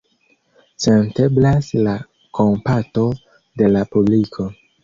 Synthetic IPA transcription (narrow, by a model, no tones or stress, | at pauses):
sente̞blasla | kʰo̞mpato̞ | de̞lapublikʰo̞